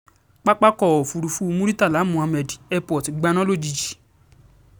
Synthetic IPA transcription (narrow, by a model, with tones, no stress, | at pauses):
k͡pa˦k͡pa˦kɔ˦˨o˨fu˨ɾu˨fu˦˧mũ˦ɾi˦ta˦˨la˨˦mũ˧˦a˧mɛ˨di˨ɛ˧pɔ˨ti˨˦ɡ͡ba˧˦nɔ̃˦lo˦˨d͡ʒi˧d͡ʒi̥˨